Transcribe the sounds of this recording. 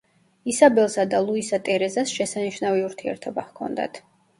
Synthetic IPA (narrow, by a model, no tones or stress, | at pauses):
isabɛlˠsad̪alˠuisat̪ʼɛɾɛzasʃɛsaniʃnaviuɾt̪ʰiɛ̰ɾt̪ʰɔbahkʰɔ̰nd̪a̰t̪ʰ